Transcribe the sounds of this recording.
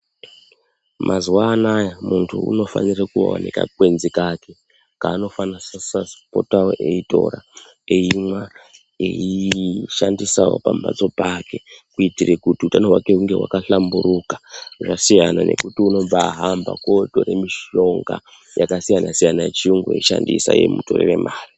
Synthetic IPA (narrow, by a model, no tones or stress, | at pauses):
mʔazwanajmuntʰuṵno̞fa̰nirekuwa̰wa̰nika̰kwe̞nzikake | kaːno̞fanasasaspo̞̰taoeito̞̰ra̰ | eimwa | ḛiʃandisawo̰pamba̰d͡zo̞pake̞kuitirekutiutanowake̞uŋɡe̞wa̰kaɬamburukḁʐasijanane̞̰kutiuno̞b͡vaɦamba̰ko̞to̞ɾe̞miʃo̞ŋɡa | jakasijanasijanajet͡ʃiuŋɡeḛiʃandḭsa̰je̞̰muto̰rere̞maːri